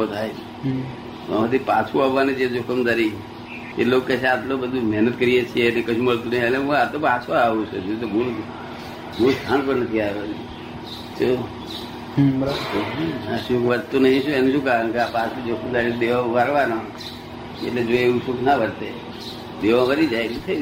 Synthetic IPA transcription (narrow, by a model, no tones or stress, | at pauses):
ot̪ʰaj | oət̪ipat͡ʃʰũaɦʋaned͡ʒʰed͡ʒokʰəmd̪aɾi | ḛlokːet͡ʃʰeat̪lobəd̪ʱumɛɦnət̪kəɾijet͡ʃʰienekəʃʰũməɭt̪unəɦĩəleũat̪opat͡ʃʰoaʋut͡ʃʰod͡ʒut̪̬obul | bust̪ʰãnpəɾnət̪ʰiaʋon | t̪o | əʃũʋəɾt̪unəɦĩʃũenũʃũkaɾənkeapat͡ʃʰud͡ʒokʰəmd̪aɾid̪eʋãʋaɾʋanõ | ḛʈled͡ʒoeuʃʰuknaʋəɾt̪e | d̪eʋãʋəɾid͡ʒajnit̪ʰəi